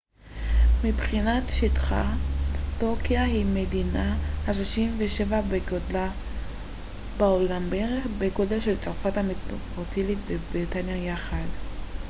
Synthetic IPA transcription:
mibχinatʃitχa̰tokiahimedinahaʃloʃimveʃevabeɡodla | baolambeeʁeχbeɡo̞delʃelt͡saʁufathametopotʰilitvebʁitanjajaχad

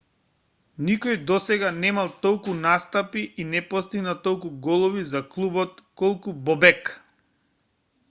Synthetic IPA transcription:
nikɔjd̪ɔsɛɡanɛmalˠt̪ɔlˠkunast̪apiʔinɛpɔst̪iɡnat̪ɔlˠkuɡɔlˠɔvizaklˠubɔt̪kɔlˠkubɔbɛk

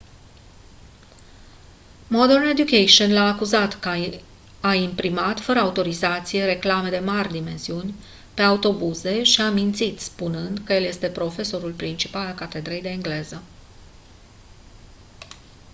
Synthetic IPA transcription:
mod̪erned̪jukejʃonlaːkuzat̪ | aimpɾimat̪fəɾəaut̪o̞ɾizat̪sije̞ɾe̞klame̞d̪e̞marʲd̪ime̞nsiunʲ | pe̞aut̪o̞buze̞ʃiamint̪sit̪spunɨnd̪kəje̞lje̞st̪e̞pɾo̞fe̞so̞ɾulpɾint͡ʃipalalkat̪e̞d̪ɾejd̪e̞ːŋɡle̞zə

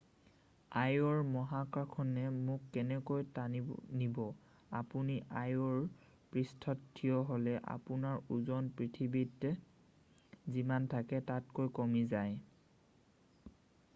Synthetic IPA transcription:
ajɔɹmɔɦakakʰɔnɛmʊkːɛnɛkojtaninibɔ | apuniʔajɔɹ | pɹistʰɔtʰːijɔɦolɛʔa̰punaɹuzɔnpɹitʰibitːɛ | zimantʰakɛtatkojkɔmizaj

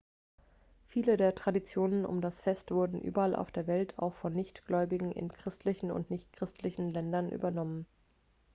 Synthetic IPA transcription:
fiːlədeːɐtʁ̥adit͡sjoːnənʊ̰mdasfɛstv̥ʊɐdn̩ʔy̰ːbɐalʔa̰ʊfd̥eːɐvɛltʰa̰ʊxfɔnːɪçtɡ̥lɔʏbɪɡŋ̩ʔɪ̰nkʁ̥ɪstʰlɪçn̩ʊ̰ntnɪçt̚kʁ̥ɪstʰlɪçn̩lɛndɐnʔy̰ːbɐnɔmən

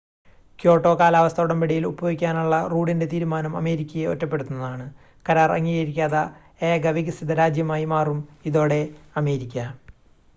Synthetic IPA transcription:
kjo̞ːʈːo̞ːkaːlaːʋɐst̪ʰɐuɽɐmpeɽijilubɐjoːɡikʲːaːnuɭːɐruːɽinde̞t̪iːɾumaːnɐmɐ̰me̞ːɾikʲːɐjeo̞tːɐp̬ːe̞ɽut̪unːɐðaːɳɨ | kɐɾaːrɐ̰ŋːiɐjɾikʲːaːðɐ | eːɡɐʋiɣɨsid̪ɐɾaːd͡ʑjɐmaːjimaːrumiðo̞ːɽe̞ɐme̞ːɾikʲːɐ

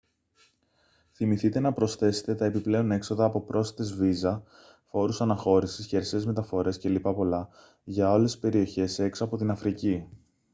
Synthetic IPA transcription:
θimiθit̪e̞nɐpɾo̞sθe̞se̞̥t̪et̪ɐe̞piple̞o̞ne̞kso̞ðɐːpo̞pɾʔo̞stɐt̪ezvizɐ | fo̞ɾusɐnɐxo̞ɾisisceɐɾseːzme̞t̪ɐfo̞ɾe̞scelipɐpo̞lɐ | ʝɐole̞si̥spe̞ɾio̞çe̞se̞ksɐpo̞t̪inɐfɾici

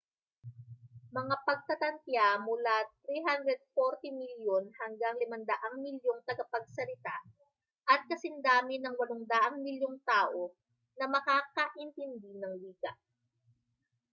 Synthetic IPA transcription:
mɐŋapɐɡ̚t̪ɐt̪ɐnt̪jamʊlat̪̚ɾiɦand̪ɾɛd̪̚foɾt̪ɪmiljonhɐŋɡaŋlɪmɐnd̪ɐʔaŋmɪljoŋt̪ɐɡɐpɐɡ̚sɐlɪt̪a | ʔɐt̪̚kɐsɪnd̪aːmɪnɐŋwɐloŋd̪ɐʔɐŋmɪljoŋt̪aːʔo̞ | nɐmɐkaːkɐʔɪnt̪ɪnd̪inɐŋliːɡɐ

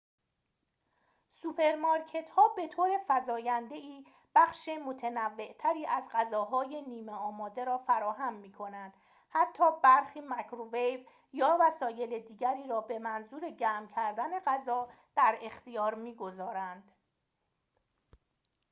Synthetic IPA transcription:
supʰe̞ɾmɒːɾcʰe̞t̪hɒːbe̞t̪ʰoːɾe̞fæzɒːjænd̪e̞iː | b̥æxʃemot̪ʰenævːe̞ʔt̪ʰæɾiːʔæzɢæzɒːɦɒːje̞niːmeɒːmɒːd̪e̞ɾɒːfæɾɒːɦæmːiːkʰo̞nænd̪̥ | hæt̪ʰːɒːbæɾxiːmækʰɾovejv | jɒːvæsɒːje̞led̪iːɟæɾiːɾɒːbe̞mænzuːɾe̞ɟæːmcʰæɾd̪æne̞ɢæzɒː | d̪̥æɾe̞xt̪ijɒːɾmiːɡo̞zɒːɾænd̪̥

